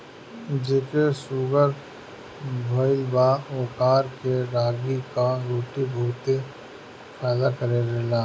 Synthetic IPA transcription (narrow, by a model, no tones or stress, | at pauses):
d͡ʒeːkesuːɡəɾ | bʱoɪlbaoːkaːɾkeɾaːɡikaɾoːʈibʱuːt̪e | fɛːd̪akəɾeɾeːlaː